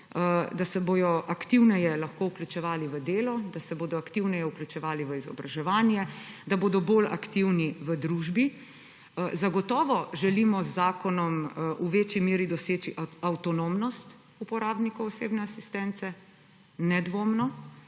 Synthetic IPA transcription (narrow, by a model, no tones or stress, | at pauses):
d̪asɛboːj̪ɔʔakt̪iwnɛjɛlɐxkoːuklʲut͡ʃɛʋaːliʋəd̪eːlɔd̪asɛboːd̪ɔakt̪iwnɛjɛuklʲut͡ʃɛʋaːliʋəizɔ̰bɾaʒɛʋaːnjɛd̪aboːd̪ɔboːla̰kt̪iwniʋəd̪ɾuʒbi | zaɡɔt̪ɔːʋɔʒɛlimɔzːaːkɔnɔmʔuʋeːt͡ʃimeːɾid̪ɔseːt͡ʃiʔawt̪ɔnomnɔst̪ | upɔɾaːbnikɔwɔseːbnɛasist̪ɛnt̪sɛ | nɛd̪ʋoːmnɔ